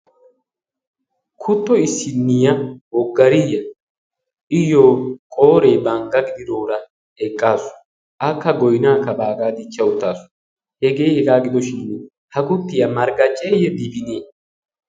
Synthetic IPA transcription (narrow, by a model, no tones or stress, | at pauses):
kʰʊt̪ːɔɪsːɪnːɪjɐwɔɡːɐɾɪjɐ | ʔɪjoːkʼo̞ːɾeːbɐŋɡɐɡɪd̪ɪd̪o̞ːɾɐ | ɛkʼːaːsʊ̥ | ʔɐkːɐɡɔjnaːkːɐbaːɡaːd̪ɪt͡ʃːɐwʊt̪ːaːsʊ̥ | hɛɡe̞ːhɛɡaːɡɪd̪ɔʃɪnː | hɐkʊt̪ːɪjɐmɐɾɡɐt͡ʃʼːɛjɛd̪ɪbɪneː